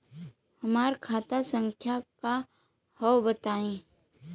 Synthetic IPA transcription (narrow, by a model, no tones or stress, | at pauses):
hɐmaːɾkʰaːt̪asə̃ŋkʰjaka | hɔwbət̪aːẽː